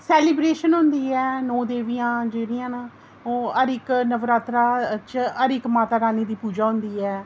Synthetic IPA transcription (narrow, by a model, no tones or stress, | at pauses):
sɛːlɪːbɾeːʃənɦʊnd̪iːɛːnõːd̪eːʋijãːd͡ʒeːɾɪjãːn | oːəɾɪknəʋɾaːt̪ɾaːt͡ʃəɾɪkmaːt̪aːɾaːniːd̪iːpuːd͡ʒaːɦʊnd̪iːɛː